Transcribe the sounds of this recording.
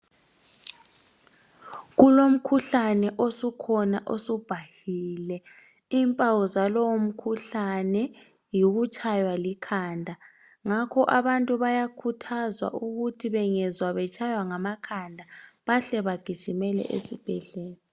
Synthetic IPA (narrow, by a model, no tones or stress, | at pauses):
ɣulom̩kʰuɬanɛʔosukʰɔna̰ʔosub̥ʱahilɛ | iːmpʼawɔzalɔwom̩kʰuɬanɛ | jiɣut͡ʃʰʼajwalikʰaːndʱa | ŋakʰɔʔaβantʼuβajakʰutʰazwa̰ʔuɣutʰiβɛŋɛzwaβɛt͡ʃʼʰajwaŋamakʰandʱaβaɬɛβaɡ̥ʱid̥ʒ̥ʱimɛlɛ̰ʔḛsib̥ʱɛɮɛːla